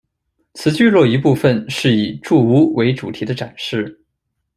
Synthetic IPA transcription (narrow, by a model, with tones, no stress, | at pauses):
t͡sʰɹ̩˧˥t͡ɕy˥˧lwɔ˥˩i˧˥pu˥˩fə˨nʂɻ̩˥˩i˨˩ʈ͡ʂu˥˩u˧˥we˧˥ɪʈ͡ʂu˨˩t̪ʰi˧˥d̪ə˧ʈ͡ʂa˨˩nʂɻ̩˥˩